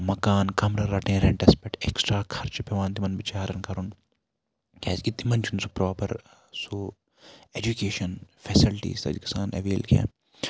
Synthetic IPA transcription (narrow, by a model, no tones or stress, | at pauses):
mɐkaːnkɐmɾɐɾɐʈẽːɾẽɳʈespeʈeksʈɾaːkʰɐɾt͡ʃpeʋãːnt̪imɐnbit͡ʃaːɾɐnkʰɐɾun | kʰɛ̰ːskit̪imɐnt͡ʃʰunsu̥pɾoːpɐ̰ɾ | so | eːd͡ʒukeːʃɐnfʰɛːsilʈḭːsɐ̰d͡ʒkisaːnɐ̰ʋeːlkʰɛ̰̃ː